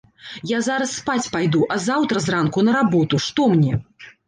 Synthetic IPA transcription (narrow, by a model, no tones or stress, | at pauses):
jazaɾɐsːpat͡sʲpajd̪uʔɐzawt̪ɾɐzrankunɐɾabɔt̪uʂt̪ɔmnʲɛ